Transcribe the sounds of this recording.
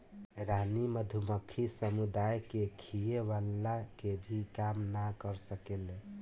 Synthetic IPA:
ɾaniməd̪ʱuməkʰːisəmud̪ajkekʰijeβalːakebʱikamnakəɾsəkele

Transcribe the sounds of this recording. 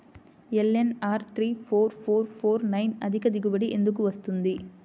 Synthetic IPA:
ɛlɛnaːɾt̪ɾiːfoːɾfoːɾfoːɾnɐɪnɐðɪɣɐd̪ɪɣɯʋɐɽiʔɛnd̪ɯkːɯʋɐst̪ɯnd̪i

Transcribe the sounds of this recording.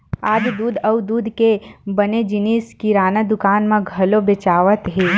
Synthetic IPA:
aːd͡ʒd̪uːd̪ʱɐwd̪uːd̪ʱkebɐned͡ʒɪniːskiɾaːnad̪ʊkaːnmãɡʱɐlobɪt͡ʃaːʋət̪ɦeː

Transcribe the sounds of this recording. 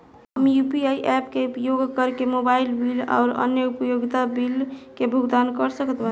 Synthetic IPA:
ɦəmjupiaiʔɛpkepjoɡkəɾkemobailbila̰ʊɾə̰njəupjoɡt̪abilkebʱuɡd̪ankəɾsəkət̪ba

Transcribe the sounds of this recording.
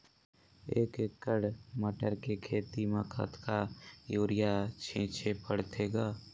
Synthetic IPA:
ḛːkkːəɽməʈəɾkekʰeːt̪iməkʰə̰t̪ʰkajoːɾɪjat͡ʃʰẽːt͡ʃʰepəɽt̪ʰeːɡaː

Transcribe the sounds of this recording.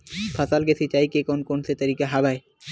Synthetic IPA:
pʰasalɡesʰit͡ɕajkekonkonset̪aɾikaɦabaj

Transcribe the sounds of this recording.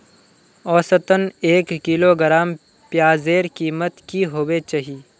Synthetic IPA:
ɔːsət̪əneːkːiloɡəɾaːm | pjaːzeːɾkiːmət̪kiɦoːwet͡ʃaɦi

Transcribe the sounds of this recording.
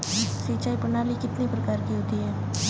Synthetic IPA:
siːt͡ʃaːipɐnaːlikɪt̪nipɾɐkaːɾkiɦoːt̪iɦɛː

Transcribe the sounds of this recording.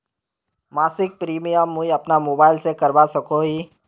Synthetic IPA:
maːsɪk̚pɾiːmijamːũiɐpnamoːbaːɪlsekɐɾbasɐkoɦiː

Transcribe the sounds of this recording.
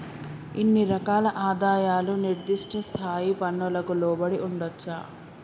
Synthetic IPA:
inːiɾɐkaːlɐʔaːd̪aːjaːluniɾd̪iʂʈʰɐst̪ʰaːjipɐnːulɐkulɔːbɐɽiʔuɳɖɐt͡ʃːa̰ː

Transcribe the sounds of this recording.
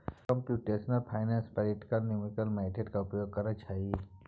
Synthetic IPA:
kɔmpjuːʈeːsnəlpʰaɪnãnspəɾiʈi̥kəlnimikəlmaɪseɖkaʊpjoːɡ̚kɐɾət͡ʃaːɦie

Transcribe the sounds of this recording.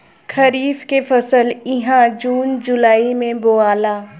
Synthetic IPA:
kʰɐɾiːfkefɐsəlɪɦãd͡ʒuːnd͡ʒʊlaːimẽboːaːlaː

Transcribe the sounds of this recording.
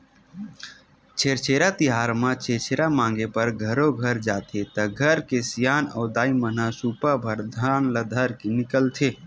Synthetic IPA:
t͡ʃʰeːɾt͡ʃʰeːɾat̪iɦaːɾmãt͡ʃʰeɾt͡ʃʰeːɾamãːŋɡepəɾɡʱəɾoɡʱəɾd͡ʒaːt̪ʰet̪əɡʱəɾkesijaːnɔ̰ːd̪aːimənasupabʱəɾd̪ʱaːnləd̪ʱəɾkenɪkəlt̪ʰeː

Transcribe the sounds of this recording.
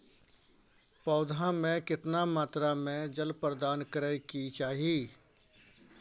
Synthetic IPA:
pɔːd̪ʱãmẽkɪt̪namaːt̪ɾamẽd͡ʒəlpɾəd̪aːnkəɾəkit͡ʃaːɦiː

